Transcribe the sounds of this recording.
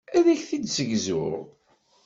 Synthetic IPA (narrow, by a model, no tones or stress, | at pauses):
æðæçθid̪səʝzʊ̰ɾʁ